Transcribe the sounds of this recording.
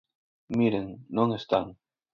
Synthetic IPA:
miɾeŋnõŋest̪aŋ

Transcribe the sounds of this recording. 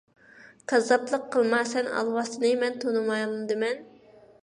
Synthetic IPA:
qʰɑzɑplˠəqʰːəlˠmɑsɛnɑ̰lˠwɑsɨnɨmɛnt̪ʰonɨmɑjld̪ɨmɛn

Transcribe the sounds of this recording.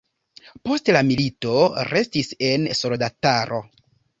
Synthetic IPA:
po̞stlamilito̞ɾe̞stise̞nso̞ldataɾʔo̞

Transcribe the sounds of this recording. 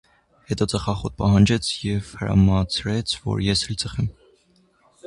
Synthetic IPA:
hɛt̪ɔt͡səχɑχɔt̪̚pɑɦɑnd͡ʒɛt͡sʰjɛvhəɾɑ̰mɑt͡sʰɾɛt͡sʰvɔ̰ɾjɛshɛlt͡sʰəχɛm

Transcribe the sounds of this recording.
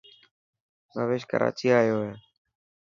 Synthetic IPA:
bʱəʋeːʃkə̰ɾʔa̰ːt͡ʃiːaːɪjoːɦɛː

